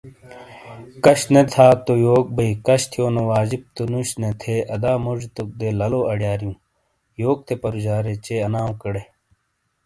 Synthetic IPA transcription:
kɐɕnet̪ʰaːt̪ojoːk̚bɐikɐɕt̪ʰijoːnowaːd͡ʑib̚t̪onuɕnet̪ʰeɐd̪aːmoʐt̪ok̚d̪elɐloɐɽjaːɾijũː | joːk̚t̪ʰepɐɾud͡ʑaːɾet͡ɕeɐnaːw̃kɐɽe

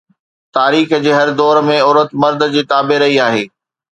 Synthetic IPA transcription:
t̪aːɾiːxd͡ʑeːɦɐɾd̪ɔːɾmẽɔːɾət̪mɐɾd̪d͡ʑiːt̪aːbeɾɐɦiaːɦeː

